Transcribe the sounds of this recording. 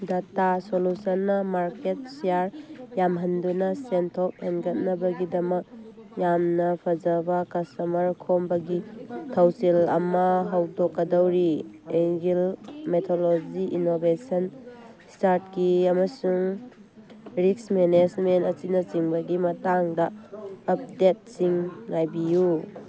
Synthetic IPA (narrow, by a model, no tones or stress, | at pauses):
datasolusɔnːɐmaɾket̚siaɾjamɦɐndunɐsentʰop̚henɡɐt̚nɐbɐɡidɐmɐk̚jamnɐpʰɐd͡ʒɐbakɐstɐmɐɾkʰombɐɡitʰɐwsilɐmɐɦɐwdɔkːɐdɐwɾieŋɡilmetʰolod͡ʒiinobesɐn | staɾt̚kiɐmɐsuŋ | ɾiksmenesmentɐt͡ʃinɐt͡ʃiŋbɐɡimɐtaŋdɐːp̚det̚siŋlajbiju